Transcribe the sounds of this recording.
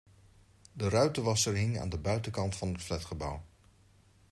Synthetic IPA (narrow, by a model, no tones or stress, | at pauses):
dərœɥtəʋɑsəɹɦɪŋa̰ːndəbœɥtəkɑntfɑnɦətflɛtχəbʌw